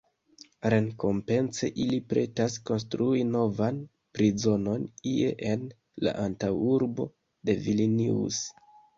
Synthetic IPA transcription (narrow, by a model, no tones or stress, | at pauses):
ɾe̞ŋko̞mpe̞nse̞ʔilipɾe̞tasko̞nstɾuino̞van | pɾizo̞no̞niḛʔen | la̰ʔantawuɾbo̞ | de̞viliniṵs